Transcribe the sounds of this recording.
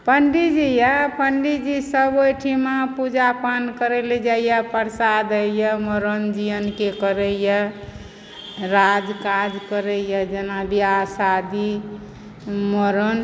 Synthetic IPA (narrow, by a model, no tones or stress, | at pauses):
pəɳɖid͡ʒijapəɳɖid͡ʒisəbojʈʰimapud͡ʒapankəɾeled͡ʒaijapəɾsad̪əjəməɾənd͡ʒijənkekəɾəjə | ɾad͡ʒkad͡ʒkəɾəjəd͡ʒənabiasad̪i | məɾən